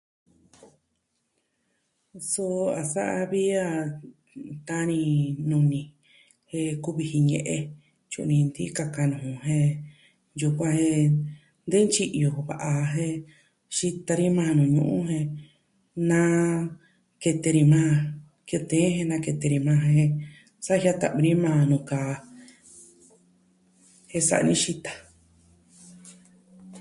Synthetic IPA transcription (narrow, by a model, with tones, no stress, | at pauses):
so˧a˨sa˦ʔa˧βi˦a˧ | t̪a˦nĩ˧nũ˧nĩ˨ | he˧ku˦βi˧hi˧ɲḛ̃˧ʔe˧ | t͡ʃṵ˧nĩ˧nd̪i˦ka˧ka˧nũ˨ũ˧ɦẽ˦˧ | ju˧kʷã˧hẽ˧ | nd̪e˦nt͡ʃi˧ʔo˨βa̰˨ʔa˧ɦẽ˦ | ʃi˦t̪a˧ɾi˦mãː˧nũ˨ɲṵ̃˧ʔṵ̃˦ɦẽ˧ | nã˦ | ke˧t̪e˧ɾi˧mãː˦˧ | ki˧t̪ẽː˨˦hẽ˧nã˧ke˧t̪e˧ɾi˧mã˦˧ɦẽ˧ | sa˦˧ha˦t̪a̰˧ʔβi˧ɾi˦mãː˦˧nũ˧˨ka˨ | he˦sa̰˧ʔnĩ˦ʃi˦t̪ḁ˧